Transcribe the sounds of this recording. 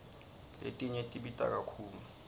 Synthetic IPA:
lḛtʼiɲetʼiɓitʼa̰k̬ʼakʰuːlu

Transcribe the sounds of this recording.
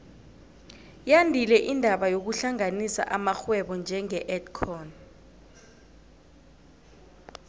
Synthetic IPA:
jandʱilɛʔindʱaɓajok̬uɬaŋanisa̰ʔamaxwɛɓɔnd͡ʒʱɛŋɛʔɛdkʰɔːn

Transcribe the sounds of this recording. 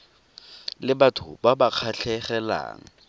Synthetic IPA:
lɪbatʰʊbabaq͡χʰaɬʰɛχɛla̰ːŋ̩

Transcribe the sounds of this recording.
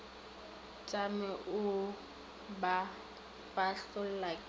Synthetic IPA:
t͡ʃʼamɛʔʊ | ba | paɬtɔl̩lak

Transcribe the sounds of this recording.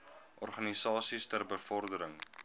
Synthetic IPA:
ʔɔrχɐnisɑːsistərbəfɔrdəɾəŋ

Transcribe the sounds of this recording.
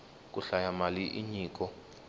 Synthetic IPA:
k̬ʼuɬajamaliʔiɲiːk̬ʼɔ

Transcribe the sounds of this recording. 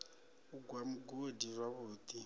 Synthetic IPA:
uɡwamuɡodirwaβuːt̪ʼi

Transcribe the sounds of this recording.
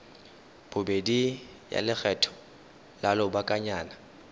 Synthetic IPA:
bʰʊbedi | ja̰lɪk͡xʰɛtʰɔ̥ | lalɔbakʼaɲaːna

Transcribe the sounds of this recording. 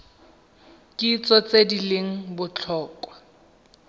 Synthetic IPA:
kʼit͡sɔt͡sedileŋ̩bʊt͡ɬʰɔːkʼwa

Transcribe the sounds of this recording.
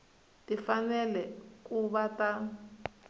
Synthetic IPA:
tifanɛlɛkuβata

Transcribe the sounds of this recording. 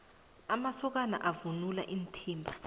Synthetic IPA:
amasɔk̬ana̰ʔavunula̰ʔintʰiːmbʱa

